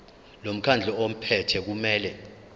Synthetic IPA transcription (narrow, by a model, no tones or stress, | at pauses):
lom̩kʰand͡ɮʱɔom̩pʰɛtʰɛk̬umɛːlɛ